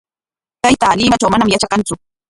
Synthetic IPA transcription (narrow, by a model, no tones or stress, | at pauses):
t̪ajt̪alɪːmat͡ʃawmanamjat͡ʃakɑnt͡sʊ